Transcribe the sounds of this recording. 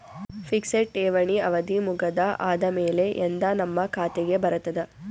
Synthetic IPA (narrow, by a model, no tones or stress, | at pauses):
fʰikseʈːeːʋɐɳiɐʋɐd̪imuɡɐd̪ɐʔaːd̪ɐmeːle̞ʔend̪ɐnɐmːɐkʰaːt̪eɡe̞bɐɾɐt̪ːɐd̪ɐ